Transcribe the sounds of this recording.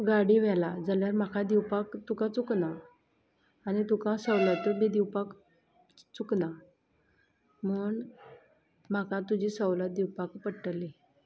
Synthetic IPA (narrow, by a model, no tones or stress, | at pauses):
ɡaɽiʋɛlad͡zaljaɾm̤akʰad̪iwpakt̪ukãt͡sukna | anit̪ukãsəwlat̪ubid̪iwpak | t͡sukna | m̤əːɳ | m̤akʰãt̪ud͡ʑiːsəwlat̪̚d̪iwpakpəɽʈəli